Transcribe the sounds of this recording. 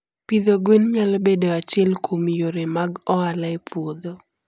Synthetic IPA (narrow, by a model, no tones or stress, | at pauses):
pid̪oɡwenɲalbedoat͡ʃɪɛlkʰomjoɾemaɡɔalaepʰwod̪o